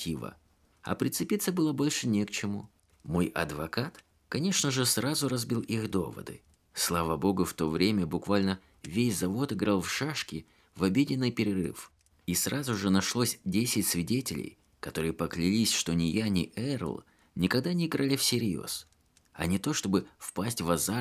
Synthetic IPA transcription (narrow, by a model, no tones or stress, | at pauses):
tʲivə̰ | ɐ̰pɾʲɪt̪sɨpʲit̪səbɨlˠəbo̞lʲʂɨnʲekt͡ɕɪmu | mo̞jʔɐ̰d̪vɐkat̪ | kɐnʲe̞ʂnəʐɨsrazʊɾɐzbʲilˠixd̪o̞̰və̰d̪ɨ̰ | slˠavəbo̞ɡʊft̪o̞vɾʲemʲəbʊkvalʲnə | vʲesʲzɐvo̞t̪ɨɡɾalˠfʂaʂkʲɪ | vɐbʲedʲɪnːɨjpʲɪɾʲɪrɨ̰f | isrʔazʊʐɨnɐʂlˠo̞sʲdʲesʲɪtʲsvʲɪdʲetʲɪlʲɪ̰j | kɐt̪o̞ɾɨjəpəklʲɪlʲisʲʂt̪o̞nʲɪjanʲɪ̰ʔɛr̰lˠ | nʲɪkɐɡ̚d̪anʲɪɪɡɾʔalʲɪfsʲɪɾʲjo̰s | ɐ̰nʲɪt̪o̞ʂt̪o̞bɨfpasʲtʲvɐza